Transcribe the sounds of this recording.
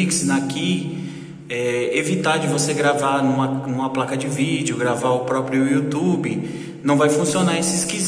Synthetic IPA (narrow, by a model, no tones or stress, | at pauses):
iksnaki | ɛevit̪ad͡ʒɪvoseɡɾavanũmɐnũmɐplakɐd͡ʒɪvid͡ʒɪʊɡɾavaʊpɾɔpɾjʊut̪ubɪ | nɐ̃w̃vajfũsionaesɪskiz